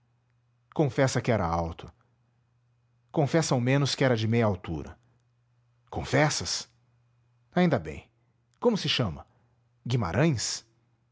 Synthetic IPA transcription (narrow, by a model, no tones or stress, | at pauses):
kõfɛsɐkɪɛɾɐ̰awt̪ʊ̥ | kõfɛsɐawmẽnʊskɪɛɾɐd͡ʒɪmejɐawt̪ṵɾɐ̰ | kõfɛsɐs | aĩnd̪ɐbḛ̃j̃ | kõmʊsɪʃɐ̃mɐ | ɡima̰ɾʔɐ̃j̃s